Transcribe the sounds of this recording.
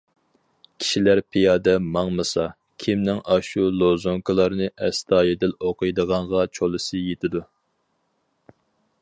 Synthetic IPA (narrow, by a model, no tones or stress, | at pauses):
kʲʰi̥ʃilæɾpʰijɑːd̪ɛmɑŋmɨsɑ | kʲʰimnɪŋɑʃulˠozoŋkʰɨlˠɑɾnɨʔɛst̪ʰɑːjed̪ɪloqʰəjd̪əʁɑɴʁɑt͡ʃʰolˠɨsɨjet̪ʰɪd̪u